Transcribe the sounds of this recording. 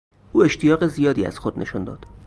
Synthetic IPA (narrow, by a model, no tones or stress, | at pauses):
ʔuːe̞ʃt̪ʰijɒːɣe̞zijɒːd̪iːæ̰z̥xod̪̥nʔe̞̰ʃund̪ɒ̰ːd̪̥